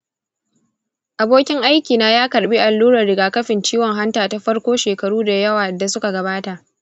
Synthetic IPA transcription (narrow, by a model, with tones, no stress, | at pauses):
ʔa˨boː˦kʲɪ˦ŋʔa˦jkʲiː˨naː˦jaː˦kɐ˨ɽɓiː˦ʔa˨lːuː˦ɾɐ˨rɽɪ˨ɡaː˨kɐ˦ɸɪ˨nt͡ʃiː˦wɔ˨ŋɦa˦ntaː˨ta˨ɸɐ˦ɽkʷoː˦ʃeː˨kɐ˨ɽuː˦da˨jɐ˦waː˨da˨sʊ˦ka˨ɡɐ˨baː˦ta˨ʔ